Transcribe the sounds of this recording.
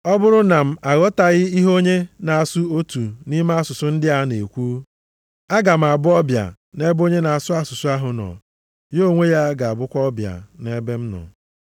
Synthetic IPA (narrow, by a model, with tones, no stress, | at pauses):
ɔ˦bʊ˦ɾʊ˦na˨m̩˦a˨ɣɔ˦ta˨ɣɪ˦i˦ɦo˦ɲe˦na˨a˨su˦o˦tu˨ni˦ma˦a˦sʊ˨sʊ˦n̩˦dɪ˦a˦ne˨kʷuː˦ | a˦ɡa˨m̩˨a˨bʊ˦ɔ˦bja̰˨ | ne˦bo˦ɲe˦na˨a˨sʊ˦a˦sʊ˨sʊ˦a˦ɦʊ˨nɔ̰˨ | jo˦˨ŋʷe˦ja˦ɡa˨a˨bʊ˦kʷɔ˦bja̰˨ne˦be˦m̩˦nɔ̰˨